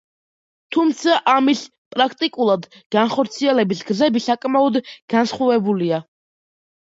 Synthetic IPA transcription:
t̪ʰumt̪sʰaʔamis | pʼɾakʰt̪ʼikʼulˠad̪ | ɡ̥anχɔɾt̪sʰiɛlɛbisɡzɛbisakʼmaɔd̪ɡ̥ansχwɔvɛbulia

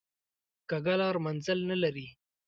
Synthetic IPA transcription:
kaɡalɑɾmanzəlnalaɾi

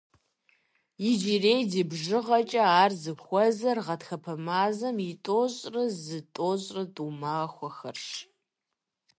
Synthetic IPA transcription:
jɪd͡ʒireːjdibʒɨʁɐt͡ʃʼɐaːrzɨxʷɔzɐrʁɐtxɐpʰɐmaːzɐmitʼoɕʼrɨzɨtʼoːɕʼrɨdʼumaːxʷɔxɐrʂ

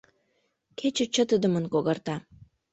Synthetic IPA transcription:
kʰet͡ɕə̆t͡ɕə̆t̪əd̪ə̆mənkoɣɑrt̪ɑ

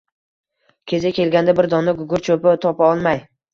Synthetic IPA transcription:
kʲʰe̞zʲakʲe̞lɡʲand̪abɪɾd̪ɒnːaɡʊɡʊɾt͡ʃʰopɪt̪ʰɒpaɒlˠmaj

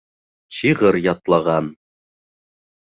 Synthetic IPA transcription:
ɕiʁɤɾjɒt̪lˠɑʁɑn

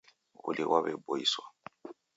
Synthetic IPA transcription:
ʊ̰liwʔaβɛbojiswa

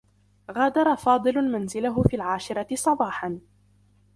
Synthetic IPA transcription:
ɣaːd̪ɑɾˤɑfɑːd̪ˤɨlʊmanzɪlaɦʊfiːlʕaːʃɪɾˤɑt̪ɪsˤɑbɑːħɑn

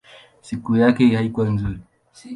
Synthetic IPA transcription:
sikujakɛhaikuwanzuɾi

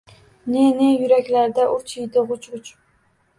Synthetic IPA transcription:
nenejʊɾakʲlaɾd̪aʔʊt͡ʃʰɪjd̪ɪʁʊt͡ʃʁʊt͡ʃ

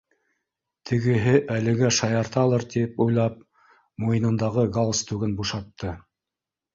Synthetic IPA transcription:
t̪ʰɘ̆ɡɘ̆ɦɘʔælɘ̆ɡæʃɑjɑɾt̪ɑlˠɤɾt̪ipujlˠɑp̚ | mujɤnɤ̆nd̪ɑʁɤɡolˠst̪ʉɡɘnbuʃɑt̪ːɤ

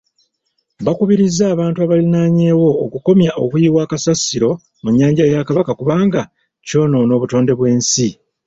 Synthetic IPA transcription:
βakuβiɾizːaːβaːntuaβalinaɲe̞ːwo̞ːkuko̞mjaʔokujiwaːkasasːiɾo̞ | muɲːaːɲɟajakaβakakuβaːŋɡa | co̞ːno̞no̞ːβuto̞ːnde̞βwe̞ːnsi

